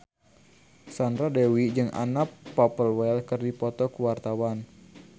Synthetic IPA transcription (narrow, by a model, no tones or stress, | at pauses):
sand̪ɾadɛwid͡ʒɨŋa̰napːapəlwɛlkɨrdipɔt̪ɔkuwart̪awan